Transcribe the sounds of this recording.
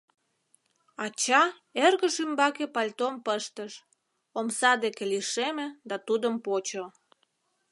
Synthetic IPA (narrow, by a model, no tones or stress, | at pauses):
ɑt͡ɕɑ | erɣəʃymbɑkepɑlʲt̪ompəʃt̪əʃ | omsɑd̪ekeliʃemĕd̪ɑt̪ud̪əmpot͡ɕo